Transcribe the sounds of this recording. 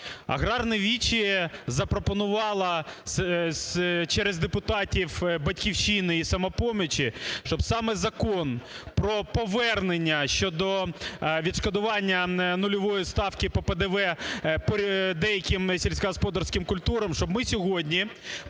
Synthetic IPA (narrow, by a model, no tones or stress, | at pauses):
ɐ̰ɣɾɑrnɐʋʲit͡ʃizɐpɾɔpɔnʊʋɑlˠɐsst͡ʃɛɾezd̪epʊt̪ɑtʲiwbɐtʲkʲiwʃinɪisɐmɐpɔmʲɪt͡ʃʲiʃt͡ʃɔbsɑmɛzɐkɔnpɾɔpɔʋɛrnenʲːɐʃt͡ʃɔd̪ɔʋʲid̪ʃkɔd̪ʊʋɑnʲːɐnʊlʲɔʋɔjist̪ɑwkɪpɔped̪ɛʋɛpɔd̪ɛjɐkʲɪmsʲilʲsʲkɐɦɔspɔd̪ɐrsʲkɪmkʊlʲt̪uɾɐmʃt͡ʃɔbmɪsʲɔɦɔdʲnʲi